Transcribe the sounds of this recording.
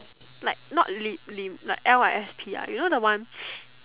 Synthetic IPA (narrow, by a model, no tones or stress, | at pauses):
laɪk̚nɔ̰ʔ̚lilĩmlaɪkʔɛlaɛspʰia̰junodəwãn